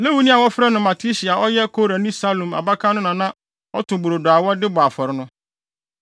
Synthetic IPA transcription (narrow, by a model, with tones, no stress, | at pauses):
le˦wu˨˦nĩ˦a˨wɔ˦fɾɛ˦nʊ̃˨mã˨tʰi˦ɕi˨a˨ʔɔ˦jɛ˦kʰo˦ɾa˨nĩ˦sa˦lõ˨ma̰˨ba˦kʰã˦nʊ̃˦nã˨nã˦ | ɔ˦tʰʊ̃˨bu˨ɾo˨da˨wɔ˦dɪ˦bʊ˨a˨fɔ˨ɾɪ˦nʊ̃˦